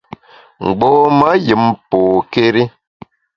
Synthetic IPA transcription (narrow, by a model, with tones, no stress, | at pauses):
ŋ̩˨ɡ͡bɔː˦ma˦ji˨mpoː˨ke˦ɾi˦